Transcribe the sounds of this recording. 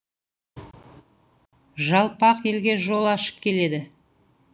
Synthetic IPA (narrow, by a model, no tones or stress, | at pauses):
ʒɑlˠpɑqje̞lɡʲe̞ʒo̞lˠɑʃə̥p̚kʲʰe̞le̞d̪ɪ